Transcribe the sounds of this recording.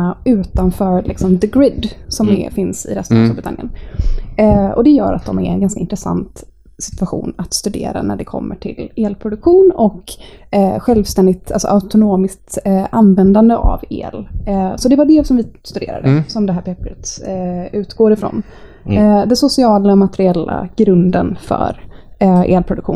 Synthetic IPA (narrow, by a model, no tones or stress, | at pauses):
ʉ̟ːt̪anfœːɾlɪ̰ksɔmd̪əɡɾɪd̪sɔmɛ̰fɪnsɪ̰ɾɛst̪ənast̪uːlbɾɪt̪ʰa̰njə̰n | ɔ̰d̪ɛjœ̰ːɾa̰t̪̚d̪ɔmɛ̰ɾɛnɡanskaɪnt̪ɾɛsa̰nt̪ | sɪ̥t̪vaɧṵːnat̪st̪ɵd̪ḛːɾa̰næɖɛkʰɔ̰mːəʈʰɪleːlpʰɾʊd̪ɵkɧuːnɔk | ɧɛlvst̪ɛnd̪ɪt̪alsɔ̰ʔaʊt̪ʊnoːmɪsk̚t̪anvɛnd̪and̪əʔa̰vḛːlsɔd̪ɛvaɖɛsɔmvɪst̪ɵd̪ḛːɾa̰d̪əsɔmd̪ɛɦæːɾpʰɛpɾət̪ | ʉ̟ːt̪ɡoːɾɪfɾo̰n | d̪ɛnsʊsɪɑːlamat̪ɛɾɪɛlːa̰ɡ̥ɾɵnd̪ənfœ̰ɾʔḛːlpʰɾʊd̪ɵkɧṵːn